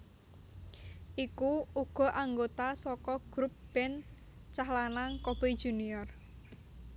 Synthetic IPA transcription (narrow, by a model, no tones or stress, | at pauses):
ʔikuuɡ̥ɔ̤ʔaŋɡot̪asɔkɔɡ̥ɾup̚b̥ɛn | t͡ʃahlanaŋkob̥ed̥ʒ̥ṳniɔr